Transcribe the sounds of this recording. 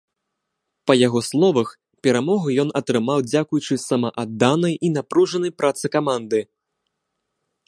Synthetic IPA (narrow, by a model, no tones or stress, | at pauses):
pɐjaɣɔslˠɔvɐx | pʲɛɾamɔɣɐjɔnɐt̪ɾɨmawd͡zʲakujut͡ʂɨsɐmɐʔad̪ːanɐjinapɾuʐɐnɐjpɾʔat̪sɨkamand̪ɨ